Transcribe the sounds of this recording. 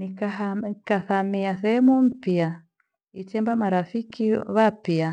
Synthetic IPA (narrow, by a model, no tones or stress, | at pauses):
nikakaθamiaθɛhɛmum̩pia | itɛmbamaɾafikiβapia